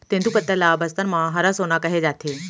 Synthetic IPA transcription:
t̪ẽnd̪upət̪ːəlabəst̪ənmãɦɐɾasonakɐɦed͡zaːt̪ʰe

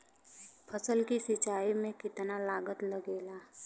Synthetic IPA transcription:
pʰəsəlkisɪt͡ʃaːimẽkɪt̪nalaːɡət̪lɐɡeːlaː

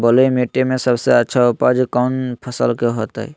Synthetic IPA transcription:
bəlemeʈːemesəbseətːʃʰaupad͡ʒkaʊnpʰəsəlkeɦot̪ə̰i

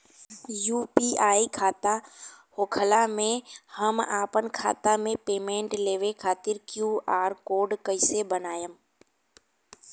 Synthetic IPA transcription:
juːpiːaːikʰaːt̪ahoːkʰəlamẽhəmaːpənkʰa̰ːt̪amẽpeːmẽːɳʈleːʋekʰaːt̪ɪɾkjuːaːɾkoːɖkəɪsebənaːjəm

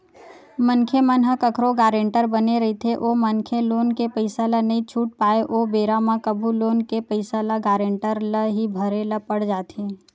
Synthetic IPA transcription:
mənkʰemənɦəkəkʰɾoɡaːɾẽːɳʈəɾbəneɾɐit̪ʰeʔoːmənkʰeloːnkepəɪsalanɐɦĩt͡ʃʰuːʈ̚paːeʔoːbeːɾamãkəbʱuloːnkepəɪsalaɡaːɾẽːɳʈəɾləɦibʱəɾeləpəɽd͡ʒaːt̪ʰeː

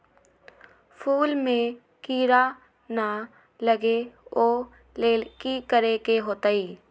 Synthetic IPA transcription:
pʰuːlmẽ | kiːɾa | na | ləɡeoː | leːkikəɾekeɦoːt̪aːiː

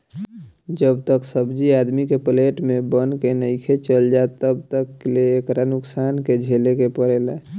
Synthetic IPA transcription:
d͡ʒəb̚t̪əksəbd͡ʒiad̪mikepleʈmebənkenəɪkʰet͡ʃəld͡ʒat̪əbt̪əkːleːkɾanʊksanked͡ʒʱelekepəɾelɛ

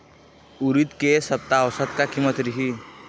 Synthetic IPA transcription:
uɾit̪kesəp̚t̪aːwsət̪̚kakimət̪ɾiɦi

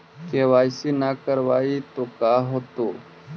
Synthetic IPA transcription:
keʋaːjsinakəɾʋaːit̪okaːɦoːt̪oː

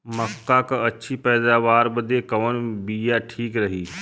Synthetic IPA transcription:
məkːakaɐtːʃʰipɛːd̪aːʋaːɾbəd̪ekɐːnbijaʈʰiːkɾɐɦiː

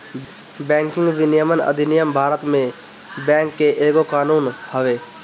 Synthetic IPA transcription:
bɛ̃ːŋkɪ̃ŋɡʋɪnijəmənə̰d̪ʱinɪjəmbʱaːɾət̪mẽ | bɛ̃ːŋkːeʔeːɡokaːnuːnhəʋeː

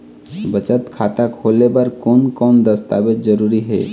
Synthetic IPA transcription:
bət͡ʃət̪kʰat̪akʰolebaɾkonkond̪əst̪abetd͡ʒəɾuɾiɦe

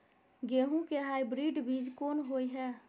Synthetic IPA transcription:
ɡeːɦũkeɦaːɪbɾiːɖbiːd͡ʒkoːnɦoːiɦɛː

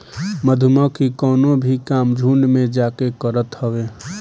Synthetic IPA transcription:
məd̪ʱʊməkikɔːnõbʱikaːmd͡ʒʱuːɳɖmẽd͡ʒaːkekəɾət̪həʋeː

